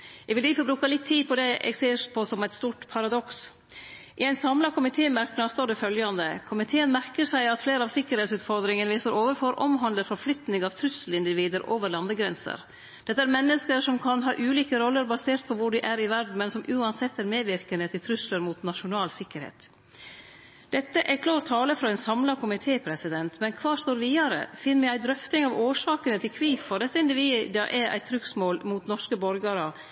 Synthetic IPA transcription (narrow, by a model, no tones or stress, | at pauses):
ɛɡʋɪliːfɔbɾʉːkɑlɪt̪ʰːiːpʰɔd̪ɛʔɛ̰ɡseːɾpʰɔsɔmæɪt̪st̪uːʈpʰɑɾɑd̪ɔks | ʔɪæɪnsɑmlɑkʰʊmɪt̪ʰeːmæɾknɑst̪oːɖɛfœljɑnd̪əkʰʊmɪt̪ʰeːənmæɾkəʂæɪɑt̪fleːɾəɑʋsɪkːəɾhɛːt̪sʉːt̪fɔɾd̪ɾɪŋənʋiːsəɾoːʋəɾfɔɾʔɔ̰mɦɑnd̪əɾfɔflʏt̪nɪŋɑʋt̪ʰɾʉsəl̩ɪnd̪ɪʋiːd̪əɾʔoːʋəɾlɑnd̪əɡɾɛnsə̰ɾ | d̪̥ɛt̪ːəæɾmɛnːəskəɾʂɔmkʰɑnɦɑːʔʉːliːkəɾɔlːəɾbɑseːɾt̪̚pʰɔʋʊɖɪʔæɾɪʋæɾɖɳn̩mɛnsɔmʔʉːɑnsɛt̪ːæɾmeːʋɪɾkənət̪ʰɪlt̪ʰɾʏsləɾmuːt̪nɑʂʊnɑːlsɪkːəɾhḛːt̪ | d̪̥ɛt̪ːəʔækʰlɑːɾt̪ʰːɑːləfɾɑɛnsɑmlɑkʰʊmɪt̪ʰeːpʰɾɛsɪd̪ɛnt̪mɛnkʰʋɑːʂt̪oːɾʋiːɑɾə̰fɪnːmɛæɪd̪ɾœft̪ɪŋɑʋoːʂɑːkənət̪ʰɪlkʰʋiːffɔɖɛsːəɪnd̪ɪʋiːd̪ɑ̰ʔæɾʔæ̰ɪt̪ʰɾʏksmoːlmuːt̪nɔʂkəbɔɾɡəɾə